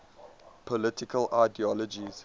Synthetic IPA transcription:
pʰɔlɪtɪkʰəlaɪdiɔlɔd͡ʒiz̥

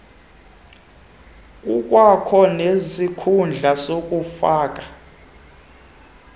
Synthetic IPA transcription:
kʼuk̬ʼwakʰɔnezsikʰund͡ɮʱasok̬ʼufaːk̬ʼḁ

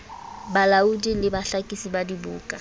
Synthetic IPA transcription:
balaudilɪbaɬakʼisibadibʊːkʼa

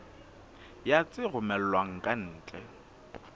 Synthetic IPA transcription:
jat͡sʼɪɣʊmɛl̩lwaŋ̩kʼan̩ːt͡ɬʼɛ

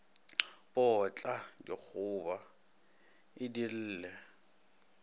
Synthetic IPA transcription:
pʼɔt͡ɬʼadik͡xʰʊba | ɪdil̩ːlɛ

